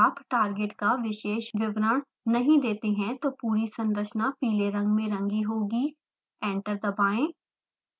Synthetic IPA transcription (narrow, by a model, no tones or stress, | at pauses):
aːpʈaːɾɡɪʈkaʋɪʃeːʃʋɪbɾəɽ̃ | nɐɦĩd̪eːt̪eɦɛ̃t̪oːpuːɾisɐ̃nd̪əɾʃnapiːleɾɐ̃ŋɡmẽɾɐ̃ŋɡiɦoːɡi | ɛ̃ːɳʈəɾd̪ɐbaːẽː